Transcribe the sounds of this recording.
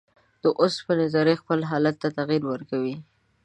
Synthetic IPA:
d̪̥əʔospənɪzɑɾexpəlɦɑlat̪ːat̪aɣiɾwəɾkawi

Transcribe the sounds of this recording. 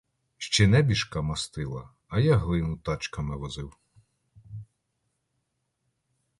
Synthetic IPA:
ʃt͡ʃɛnɛbʲiʃkɑmɐst̪ɪlˠɐ̰ | ɐjɑɦlˠɪnʊt̪ɑt͡ʃkɐmɪʋɔzɪw

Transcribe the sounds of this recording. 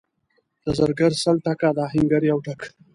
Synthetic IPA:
d̪̥əzaɾɡəɾsalʈakad̪aːɦɪŋɡaɾjawʈak

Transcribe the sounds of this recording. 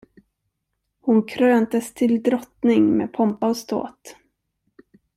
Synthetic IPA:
hʊnkʰɾøːnt̪əst̪ʰɪld̪ɾɔt̪nɪŋmḛːpʰɔmpaɔst̪ʰo̰ːt̪

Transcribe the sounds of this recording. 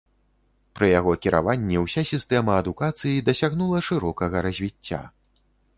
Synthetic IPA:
pɾɨjaɣɔkʲiɾa̰vanʲːɛwsʲasʲist̪ɛmɐːd̪ukat̪sɨjid̪ɐsʲaɣnulˠɐʂɨɾɔkɐɣɐɾɐzʲvʲit͡sʲːa̰

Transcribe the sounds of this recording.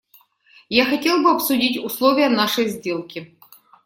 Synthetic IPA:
jaxɐtʲelˠbɨɐpsʊdʲitʲʊslˠovʲɪjɐnaʂɐjzʲdʲelˠkʲɪ

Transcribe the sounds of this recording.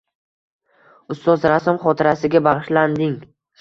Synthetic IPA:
ʊst̪ɒzɾasɒmχɒt̪ʰɪɾasɪɡʲabaʁɨʃland̪ɪŋ

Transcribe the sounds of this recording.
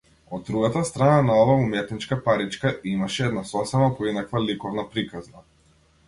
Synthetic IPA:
ɔd̪̚ɾuɡat̪ast̪ɾananaɔvaumɛt̪nit͡ʃkapaɾit͡ʃkaimaʃɛɛd̪nasɔsɛmapɔinakvalikɔvnapɾikazna

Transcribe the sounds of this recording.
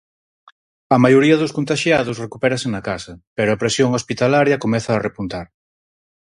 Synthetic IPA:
ɐmajoɾiɐðʊskont̪aʃjaðʊsrekupɛɾɐsenɐkasɐpɛɾoɐpɾesjoŋospit̪alaɾjɐkomɛθɐːrepunt̪aɾ

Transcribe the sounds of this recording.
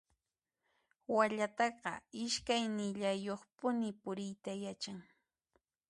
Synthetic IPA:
waʎat̪ɑɢɑ̰ɪʃkajnɪʎajoχpʊnɪpʊɾɪjt̪ajat͡ʃaŋ

